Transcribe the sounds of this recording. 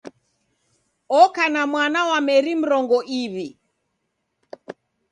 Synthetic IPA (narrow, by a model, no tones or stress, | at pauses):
ɔkanamwanawamɛɾim̩ɾɔŋɡɔʔiβi